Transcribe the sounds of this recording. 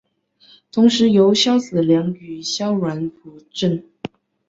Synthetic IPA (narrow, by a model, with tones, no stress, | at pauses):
t̪ʰʊ˧˥ŋʂɻ̩˧˥jo˧˥ʊɕjɑ˥ʊt͡sɹ̩˨˩ljɑ˧˥ŋy˨˩ɕjɑ˥ʊɻwa˧˥npu˧˥ʈ͡ʂə˥˩n